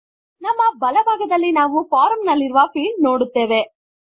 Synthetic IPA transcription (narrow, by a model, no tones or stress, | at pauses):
nɐmːɐbɐlɐbʱaːɡɐd̪ɐlːinaːʋufaːɾɐmnɐlːiɾuʋɐpiːlnoːɽut̪ːe̞ːʋe